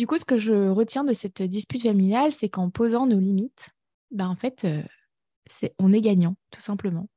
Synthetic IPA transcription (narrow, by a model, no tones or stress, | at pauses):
d̪ykusə̥kəʒəʁət̪jɛ̃d̪əsɛt̪d̪ispyt̪familjalsɛkɑ̃pozɑ̃nolimit̪ | baɑ̃fɛt̪ʰø | sɛɔ̃nɛɡaɲɑ̃t̪u̥sɛ̃pləmɑ̃